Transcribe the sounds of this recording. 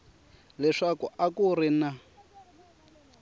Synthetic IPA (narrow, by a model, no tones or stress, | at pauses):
lɛʂakuʔakurina